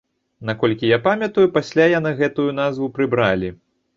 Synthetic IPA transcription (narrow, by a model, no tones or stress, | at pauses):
nakɔlʲkʲijapamʲjɐt̪ujupasʲlʲajanɨɣɛt̪ujun̪azvupɾɨbɾalʲi